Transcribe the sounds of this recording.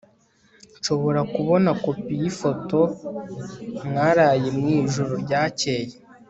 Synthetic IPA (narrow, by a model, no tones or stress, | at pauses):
nʃo̞βo̞ɾakuβo̞nako̞pijifo̞to̞ | mŋaɾaːjemŋiːʒuɾoɾɟaːceːje